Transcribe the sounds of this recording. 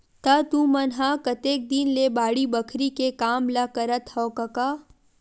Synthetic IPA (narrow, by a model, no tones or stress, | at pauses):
t̪at̪ũːmɐnɦakɐt̪eːk̚d̪inlebaːɽibɐkʰɾikekaːmlakɐɾət̪hɔːkɐkaː